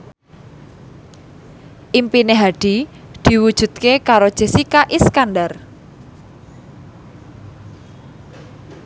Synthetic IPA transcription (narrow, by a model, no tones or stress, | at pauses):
ʔimpineɦaɖ̥i̤d̪̥i̤wud̥ʒ̥ṳt̪̚kekaɾod̥ʒ̥e̤sikaʔiskanɖar